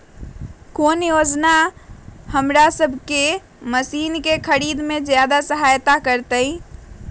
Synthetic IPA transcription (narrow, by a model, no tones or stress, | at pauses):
konjod͡ʒna | həmɾasəbʱke | məsinkekʰəɾid̪med͡ʒjad̪asəɦajt̪akəɾt̪əj